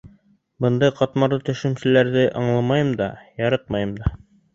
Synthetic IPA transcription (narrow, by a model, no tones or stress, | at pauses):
bɤ̆nd̪ɑjqɑt̪mɑɾlˠɤt̪ɵ̆ʃɘ̆msɘ̆læɾðɘʔɑɴlˠɑmɑjɤmd̪ɑjɑɾɤq̚mɑjɤmd̪ɑ